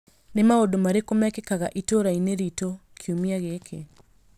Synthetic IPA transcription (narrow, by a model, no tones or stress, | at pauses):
nemaodomaɾekomakekaɣaʔitoɾaineɾitɔkʰiumiaɣekʰe